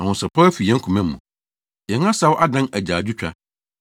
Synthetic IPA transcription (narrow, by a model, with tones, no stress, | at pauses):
ã˨hʊ̃˨sɛ˨pʰɔ˦æ˦fi˨jɛ̃˦ŋ̩kʰũ˨mɛ̃˦mː˦ũ˨ | jɛ̃˨ŋã˦sa˦wʔa˦dã˦næ˨d͡ʑaː˨d͡ʑᶣu˦t͡ɕᶣa̰˦